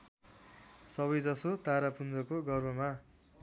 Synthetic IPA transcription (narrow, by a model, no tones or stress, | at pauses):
sʌβʌjd͡zʌsot̪aɾapund͡zʌkoɡʌrmʌma